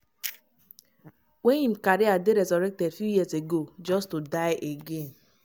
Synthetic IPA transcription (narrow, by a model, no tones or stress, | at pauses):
wejĩm̩kaɾiadeɾezɔɾɛk̚tɛdfjujiaseɡod͡ʒɔstudaɪʔeɡen